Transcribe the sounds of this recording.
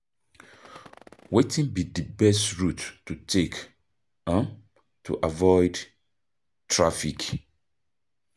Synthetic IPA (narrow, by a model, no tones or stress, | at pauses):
wetʰĩnbidibɛstɹutːutʰek | ãn | tʰṵʔavɔɪd | tʰɹafik